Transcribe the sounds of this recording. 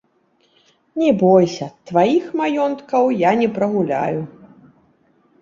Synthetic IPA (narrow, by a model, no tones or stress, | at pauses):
nʲɛbɔjsʲɐt̪vajixmajɔnt̪kɐwjanʲɛpɾɐɣulʲa̰ju